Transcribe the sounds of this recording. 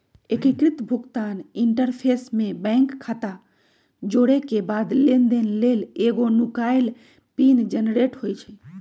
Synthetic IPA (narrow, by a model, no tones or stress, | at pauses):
ekikɾit̪bʱuɡt̪aniɳʈəɾpʰesmẽbɛ̃ŋkʰːat̪a | d͡ʒoɽekebad̪lend̪enleleɡonukajl | pind͡ʒənɾeʈɦojt͡ʃʰɛ